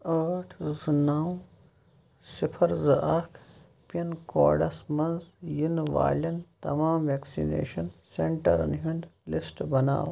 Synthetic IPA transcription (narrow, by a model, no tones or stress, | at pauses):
əːʈʰzɨnaːw | sipʰɐɾzɐʔɐkʰ | pɐnko̰ːɖɐsmɐnzjinʋa̰ːlʲɐnt̪ɐ̰maːmʋeːksḭnḛːʃɐnseɳʈɐ̰ɾɐ̰nɦund̪lisʈbɐna̰ːw